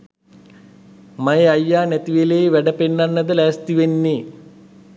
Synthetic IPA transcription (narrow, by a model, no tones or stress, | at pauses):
majeajːaːnæt̪iʋeleːʋæɖəpenːanːəd̪əlæːst̪iʋenːiː